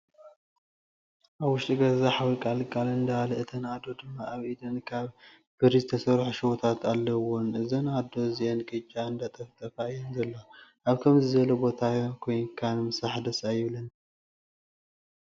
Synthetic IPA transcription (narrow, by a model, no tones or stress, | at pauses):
ʔaβwʊʃt̪ʼiɡɐzaħawlkʼalkʼalɨnd̪ɐalɐɨt̪ʰɐnad̪o̞d̪ɨmːaaβʔid̪ɨnkʰaβ | b̥ɨɾizɨt̪ʰɐsɐɾħuʃɪwot̪ʰat̪ʰalːɐwonɨzɐnad̪o̞ziʔenkʼɨt͡ʃʼːaɨnd̪at̪ʼɐft̪ʰʼɐfajɛnzɐlːoʔaβkʰɐmzɨzɐlobo̞t̪ʰajkʰojnkʰanmɨsaħd̪ɐsajɪβlɐn